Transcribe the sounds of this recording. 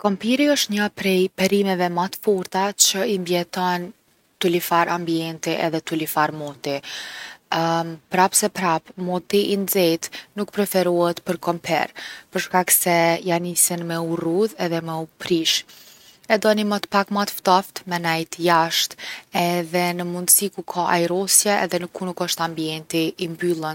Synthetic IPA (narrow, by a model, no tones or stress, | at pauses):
kɔmpiɾiəʃt̪ɲapɾɛjpɛɾimɛvɛmat̪fuɾt̪at͡ɕəimbjɛt̪ɔn | t̪ulifaɾʔambiɛnt̪iʔɛ̰ðɛt̪ulifaɾmɔt̪i | pɾapsɛpɾapmut̪iʔind͡zɛjt̪nukpɾɛfɛɾuhɛt̪pəɾkɔmpʰɛ̰ɾpəɾʃkaksɛjanisinmɛuruðɛðɛmɛupɾiʃ | ɛd̪ɔnimət̪pakmat̪ft̪ɔft̪mɛnajt̪jaʃt̪ɛðɛnəmund̪əsikukʰaʔajɾɔsjɛɛ̰ðɛnukʰːunukəʃt̪ambiɛnt̪iːmbylˠən